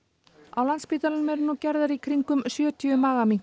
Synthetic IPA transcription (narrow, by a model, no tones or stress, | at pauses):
a̰wlanspit̪alɪnmɛɾnucɛɾðaɾikʰɾiŋkʏmsjœːt̪ʰiʏmaːɣami